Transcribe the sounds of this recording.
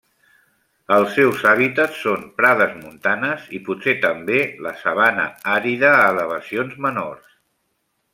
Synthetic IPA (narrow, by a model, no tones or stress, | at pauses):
əlˠsːɛwzaβ̞it̪ət͡ssːonpɾaðəzmunt̪anəziputset̪əmbeləsəβanə̰aɾiðəːləβ̞əsionzməno̰rs